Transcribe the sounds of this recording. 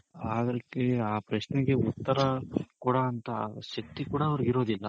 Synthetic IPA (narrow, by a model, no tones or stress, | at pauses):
aːd̪ɐɾɐkːeaːpɾɐʃneɡe̞ut̪ːɐɾɐkuːɽɐːnt̪ɐʃɐk̚t̪ikuːɽɐːʋɐɾuɡiɾo̞ːd̪ilːɐ